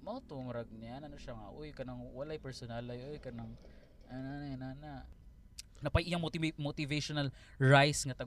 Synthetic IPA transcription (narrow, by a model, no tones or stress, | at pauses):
mɐŋat̪ʊmɾɐɡ̚nɪjanɐnoʃaŋa̰ʔojkɐnaŋwɐlajpɛɾsonalɐjʔojkɐnɐŋ | ʔananaanana | nɐpɐjʔɪjaŋmot̪ɪmot̪ɪveʃonɐl | ɹajsŋɐt̪ɐɡ